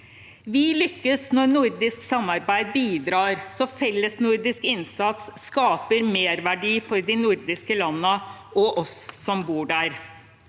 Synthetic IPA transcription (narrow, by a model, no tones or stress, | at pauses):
ʋɪlʏkːəsnɔɾnʊɾd̪ɪsksɑmːɑɾbæɪd̪̚biːd̪ɾɑːɾsɔfɛlːəsnʊɾd̪ɪskɪnsɑt̪sːkɑːpəɾmeːɾʋæɖiːfɔɾd̪ɪnʊɾd̪ɪskəlɑnːəɔʔɔsːɔmbuːɖæɾ